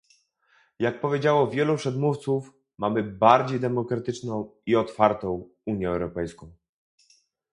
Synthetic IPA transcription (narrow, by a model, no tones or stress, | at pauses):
jak̚pɔvʲjed͡ʑawɔvʲjɛlupʂɛd̪muft̪suf | mamɘbaɾd͡ʑejd̪ɛmɔkɾat̪ɘt͡ʂnɔ̃w̃iɔt̪faɾt̪ɔ̃w̃ | uɲjɛɛwɾɔpɛjskɔ̃w̃